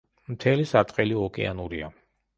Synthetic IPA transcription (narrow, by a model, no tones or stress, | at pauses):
mt̪ʰɛlisat̪ʼqʼɛliɔkʼɛ̰anuɾia